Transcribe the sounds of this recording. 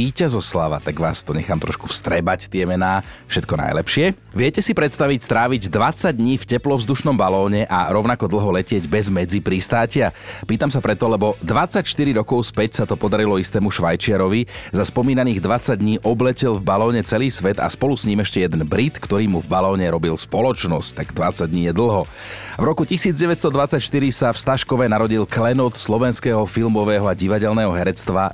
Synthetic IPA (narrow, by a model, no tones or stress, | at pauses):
iːcazɔslaʋa̰t̪aɡʋa̰ːst̪ɔɲɛxaːmt̪ɾɔʃkufst̪ɾɛbact̪ɪɛmɛnaːfʃɛt̪̚kɔna̰jlɛpʃɪɛ | ʋɪɛcɛsipɾɛt̪st̪aʋicst̪ɾaːʋiɟd̪ʋat͡saɟ̚d̪ɲiːfcɛplɔvzd̪uʃnɔmbalɔːɲɛʔaɾɔʊnakɔd̪l̩ˠɦɔlɛcɪɛɟbɛzmɛd͡zipɾist̪aːcɪapiːt̪amsapɾɛt̪ɔlɛbɔd̪ʋat͡sːacʃt̪iɾiɾɔkɔʊspɛcsat̪ɔpɔd̪aɾilɔist̪ɛːmuʃʋajt͡ʃɪaɾɔʋizaspɔmiːnaniːɣd̪ʋat͡saɟ̚d̪ɲiːʔɔblɛcɛlvbalɔːɲɛt͡sɛliːsʋɛt̪a̰spɔlusɲiːmɛʃcɛjɛd̪ɛnbɾit̪kt̪ɔɾiːmuvbalɔːɲɛɾɔbilspɔlɔt͡ʃnɔsct̪aɡd̪ʋat͡saɟ̚dɲiːjɛd̪l̩ˠɦɔ | vɾɔkucisiːd͡zɟɛʋɛcst̪ɔd̪ʋat͡sacʃt̪iɾisafst̪aʃkɔʋɛnaɾɔɟilklɛnɔt̪slɔʋɛnskɛːɦɔfilmɔʋɛːɦɔaɟiʋaɟɛlnɛːɦɔɦɛɾɛt͡st̪ʋa